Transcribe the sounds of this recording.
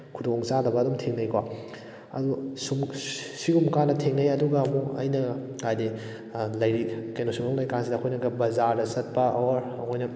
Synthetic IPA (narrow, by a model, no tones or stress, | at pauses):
kʰudoŋt͡ʃadɐbɐːdumtʰeŋnɐjkwa | ɐ̰dusumsiɡumkanːɐtʰeŋnɐjɐduɡɐːmuɐ̰jnɐkajdi | lɐjɾikɐjnosuŋoŋlɐjkansidɐːkʰojnɐɡɐbɐzaɾdɐsɐt̚pɐɐwɾɐkʰojnɐ